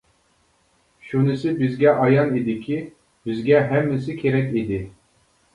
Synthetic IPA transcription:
ʃunɪsɪbɪzɡʲɛʔɑjɑnid̪ɪkʲʰi | bizɡʲɛɦɛmːɪsɪkʲʰeɾɛkʲid̪ɪ

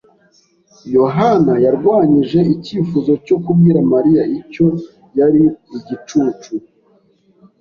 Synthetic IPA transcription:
jo̞ɦanajaɾɡwaːɲiʒe̞iciːfuzo̞co̞kubɡiɾamaɾijaico̞ | jaɾiiɟit͡ʃut͡ʃu

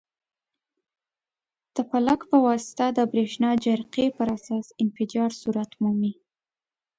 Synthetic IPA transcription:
d̪̥əpalakpəwɑsɪ̥t̪ad̪əbɾeʃnɑd͡ʒaɾqepəɾasɑsɪnfɪd͡ʒɑɾsuɾat̪mumi

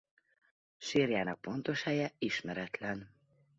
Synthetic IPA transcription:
ʃeːrjaːnɒk̚pont̪oʃaːjɛiʃmɛɾɛt̪lɛn

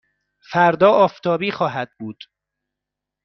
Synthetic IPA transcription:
fæɾd̪ɒːʔɒːft̪ʰɒːbiːxɒːɦæd̪̥̚buːd̪̥

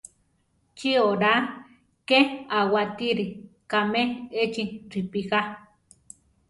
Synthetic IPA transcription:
t͡ʃioɾa | keawat̪iɾikameet͡ʃiɾipika

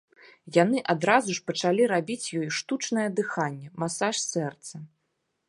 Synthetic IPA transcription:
jan̪ɨʔad̪ɾazuʂpɐt͡ʂalʲiɾabʲit͡sʲjɔjʂt̪ut͡ʂnɐjɛd̪ɨxanʲːɛmasaʂsɛrt̪sɐ

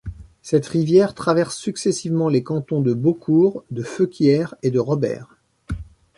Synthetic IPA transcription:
sɛt̪ʁivjɛʁt̪χavɛʁsːyksesivmɑ̃lekɑ̃t̪ɔ̃d̪əbokʰuʁd̪əføkʲjɛːʁed̪əʁɔbɛ̰ːʁ

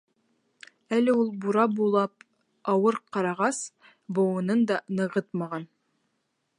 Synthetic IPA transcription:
ælɘulˠbuɾɑbulˠɑp̚ | ɑwɤɾqɑɾɑʁɑs | bɤ̆wɤ̆nɤnd̪ɑnɤ̆ʁɤt̪mɑʁɑn

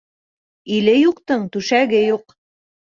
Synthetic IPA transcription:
ilɘjuqt̪ɤɴt̪ʉʃæɡɘjuq

